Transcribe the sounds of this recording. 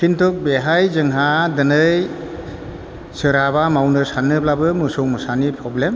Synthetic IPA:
kʰintʰɔk̚beɦajzɯŋɦadɯnɯj | sɯɾabamawnɯsanːɯblabɯmɯsɔwmɯsanipʰɾɔblem

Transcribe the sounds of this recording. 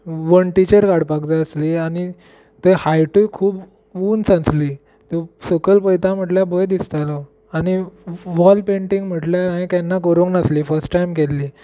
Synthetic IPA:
ʋəɳʈit͡ɕəɾkaɽpakd͡z̪aəsliañi | t̪əjhajʈukʰuːb | uːnsãt͡sliː | t̪əsəkəlpəjt̪am̤əʈljabəjd̪ist̪alɔ | aniʋɔlpeɳʈiŋɡm̤əʈljanaikanːakəɾuŋɡnasliːfəɾsʈʈajmkelːi

